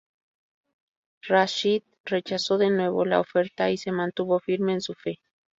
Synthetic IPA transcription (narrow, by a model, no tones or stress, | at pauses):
raʃit̪ | ret͡ʃasoðenwe̞βola̰ofeɾt̪aisemant̪uβofiɾmeːnsufe